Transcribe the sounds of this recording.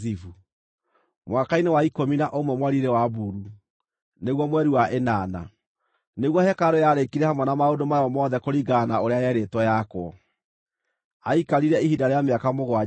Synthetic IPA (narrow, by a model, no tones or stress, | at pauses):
ivu | mwakainewaikominaʔomwɛmwaɾiɾɛwabuɾu | neɣwɔmwɛɾiwaʔenaːna̰ | neɣwɔhɛkaɾojaɾekiɾɛhamwɛnamaodomaɔmɔðɛkoɾiɡanaoɾeajɛɾetwɔjakwɔ | aikaɾiɾɛihidaɾeameakamoɣwa